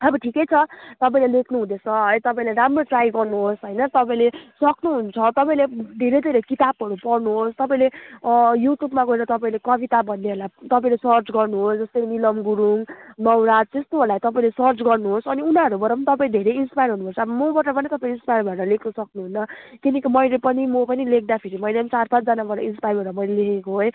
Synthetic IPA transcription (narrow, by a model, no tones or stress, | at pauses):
ʌbʌʈʰikʌjt͡sʰʌt̪ʌp̬aĩlelekʰnuɦud̪et͡sʰʌɦʌjt̪ʌpaĩleɾamroʈrajɡʌrnuɦosɦʌjnʌt̪ʌpaĩlesʌknuɦunt͡sʰʌt̪ʌpaĩled̪ʱeɾejd̪ʱeɾekit̪abɦʌɾupʌrnuɦost̪ʌpaĩlejuʈʰjubmaɡʌeɾʌt̪ʌpaĩlekʌbit̪abʱʌnːeɦolat̪ʌpãĩlesʌrt͡sɡʌrnuɦosd͡zʌst̪ʌnilʌmɡuɾuŋnʌwɾad͡zt̪est̪oɦolajt̪ʌp̬aĩlesʌrt͡sɡʌrnuɦosʌniunaʌɾubʌɾʌpʌnit̪ʌpaĩd̪ʱeɾejinspajɾɦunupʰʌɾt͡sʰʌbʌmobʌʈʌpʌnit̪ʌpãĩinspajɾbaʈʌlekʰnʌsʌknuɦunːʌkinʌkimʌjlepʌnimopʌnilek̚ʰd̪apʰeɾimʌjlent͡sarpãt͡sd͡zʌnabʌɾʌ̰inspajɾbʌɾʌmʌijlelekʰekoɦoj